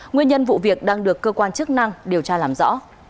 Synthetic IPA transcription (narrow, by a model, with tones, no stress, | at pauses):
ŋwi˧ənɲə˧nvṵ˧˨vi˨˩ək̚ɗaː˧ŋɗɨ˨˩əkːəː˧kwaː˧nt͡ɕɨ˦˥k̚na˧ŋɗi˨˩əwt͡ɕaː˧laː˨˩mzɔ̰˧˥